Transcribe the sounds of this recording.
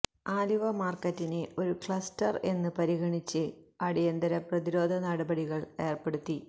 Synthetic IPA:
aːluʋɐmaːrkɐtːineo̞ɾukɭɐstɐre̞nːɨpɐɾiɣɐɳit͡ɕːɨɐɽijɐnd̪ɐɾɐprɐðiɾo̞ːd̪ʱɐnɐɽɐbɐɽiɣɐɭe̞ːrpe̞ɽut̪ːi

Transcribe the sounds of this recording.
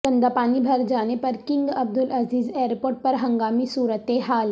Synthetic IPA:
kɐ̃nd̪aːpaːnibʱɐɾd͡ʒaːnepɐɾkɪ̃ŋɡɐb̚d̪ʊlʔɐziːzeːɾpoːɾʈ̚pɐɾɦɐ̃ŋɡaːmisuːɾət̪eɦaːl

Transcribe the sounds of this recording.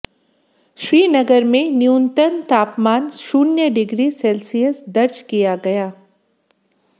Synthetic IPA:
ʃɾiːnɐɡəɾmẽnjunt̪ənt̪aːpmaːnʃuːnjəɖɪɡɾisɛːlsijəsd̪ɐɾd͡ʒkijaɡɐjaː

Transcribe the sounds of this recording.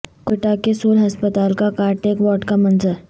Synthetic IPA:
kʊʈakesoːlɦɐspət̪aːlkakaːɾʈeːkʋɔːʈkamənzəɾ

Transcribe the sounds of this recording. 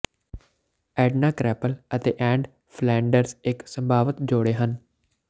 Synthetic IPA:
ɛːɖnaːkɾɛːpələt̪ḛːʔɛ̃ːɳɖ | pʰlɛ̃ːɳɖəɾsɪksəmbʱaːʋət̪d͡ʒoːɽeːɦən

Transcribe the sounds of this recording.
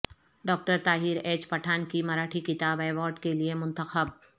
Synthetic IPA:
ɖɔːk̚ʈəɾt̪aːɦiːɾeːt͡ʃpɐʈʰaːnkimɐɾaːʈʰikɪt̪aːbaːʋɔːɾɖkeliemʊ̃nt̪əxəb̚

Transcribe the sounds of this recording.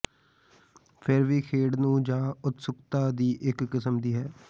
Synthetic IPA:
pʰɪɾʋiːkʰeːɽnũːd͡ʒãːʊt̪sʊkt̪aːd̪iːʔɪkːɪsəmd̪iːɦɛː

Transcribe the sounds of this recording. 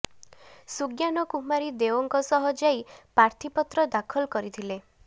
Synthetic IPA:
suɡjanɔkuɦmaɾid̪ewɔŋkɔsɔɦɔd͡ʒajpaɾt̪ʰipɔt̪ɾɔd̪akʰɔlkɔɾit̪ʰile

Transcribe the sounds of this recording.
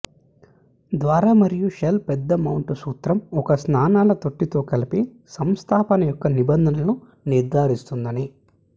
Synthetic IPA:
d̪ʋaːɾaːmɐɾijuʃelpɛd̪ːɐmɐwɳʈusuːt̪ɾɐmɔkɐsnaːnaːlɐt̪o̞ʈːit̪o̞ːkɐlipi | sɐmst̪ʰaːpɐnɐjɔkːɐnibɐnd̪ʱɐnɐnu | niɾd̪ʱaːɾist̪und̪ɐni

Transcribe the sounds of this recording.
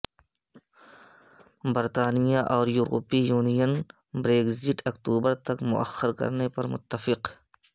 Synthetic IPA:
bɐɾt̪aːnijaʔɔːɾjuːɾṵːpijuːnijən | bɾeːɡzɪʈʰɐkt̪uːbəɾt̪ɐkmʊ̰ʔɐ̰xːəɾkɐ̰ɾnepɐɾmʊ̰t̪ːəfɪq

